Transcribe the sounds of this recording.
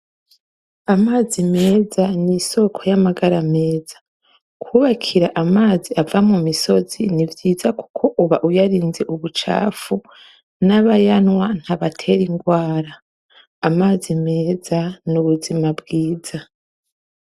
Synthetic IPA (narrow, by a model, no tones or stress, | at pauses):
amaːzime̞ːzaniso̞kʰo̞jamaɡaɾame̞ːz̥ḁ | kʰuβakʰiɾaʔamaːziavamumiso̞zinivjiːzaku̥kʰo̞ʔuβaʔujaɾiːnze̞ʔuβut͡ʃa̰ːfu | naβajanwan̥haβatʰe̞ɾiŋɡwaːɾaː | maːzime̞ːzanuβuzimabɡiːz̥a